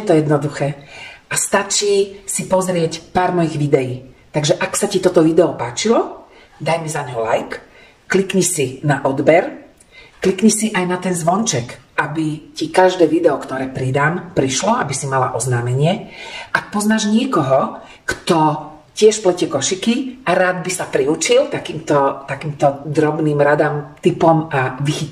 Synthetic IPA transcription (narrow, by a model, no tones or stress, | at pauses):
jɛt̪ɔjɛd̪nɔd̪uxɛːʔast̪at͡ʃiːsipɔzɾɪɛcpaːɾmɔjiɣʋid̪ɛjiːt̪aɡʒɛʔaksacit̪ɔt̪ɔʋid̪ɛɔpaːt͡ʃilɔ | d̪ajmɛzaɲɦɔlajkː | likɲisinaʔɔd̪bɛɾ | klikɲisiʔajnat̪ɛnzʋɔnt͡ʃɛkʔabicikaʒd̪ɛːʋid̪ɛɔkt̪ɔɾɛːpɾid̪aːmpɾiʃlɔabisimala̰ʔɔznaːmɛɲɪɛʔak̚pɔznaːʒɲɪɛkɔɦɔ | kt̪ɔ | cɪɛʃplɛcɛkɔʃikiʔaɾaːd̪bisapɾiut͡ʃilt̪akiːmt̪ɔt̪akiːmt̪ɔd̪ɾɔbniːmɾad̪aːmt̪ipɔmaʋixit̪